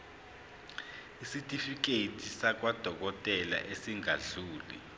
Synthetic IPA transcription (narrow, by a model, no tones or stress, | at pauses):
isitʼifik̬etʰʼisak̬ʼwad̥ʱɔk̬ɔtʼɛla̰ʔesiŋaɮuːlḭ